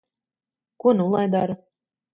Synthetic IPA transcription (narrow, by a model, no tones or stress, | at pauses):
kunulˠajd̪aɾ